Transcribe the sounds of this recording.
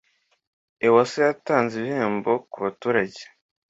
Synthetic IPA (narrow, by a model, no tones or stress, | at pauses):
ewasejataːnziβihe̞ːmbo̞kuβatuːɾaɟe̥